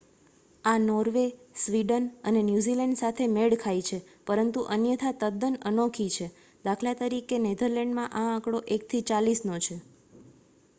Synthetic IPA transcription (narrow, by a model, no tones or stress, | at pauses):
anɔɾʋesʋiɖənənenjuzilɛɳɖsat̪ʰemeɽkʰajt͡ʃʰe | pəɾənt̪uʔənjət̪ʰat̪əd̪ənənokʰit͡ʃʰe | d̪akʰlat̪əɾikened̪ʱəɾlɛɳɖmãʔããkɽoʔek̚t̪ʰit͡ʃalisnot͡ʃʰe